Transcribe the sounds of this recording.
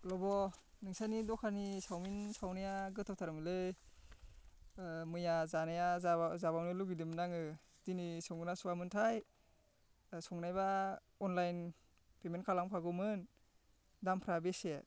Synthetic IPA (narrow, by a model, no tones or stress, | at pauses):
lɔbɔnɯŋsanidɔkʰanisawminsawnajaɡɯtʰɔwt̪ʰaɾɯmɯlɯj | mɯjazanajazazabawnɯluɡidɯmnaŋɯ | d̥inisɔŋɡɯnasuwamɯntʰaj | sɔŋnajba | ɔnlajn | pementkʰalaŋpʰaɡumɯn | dampʰɾabese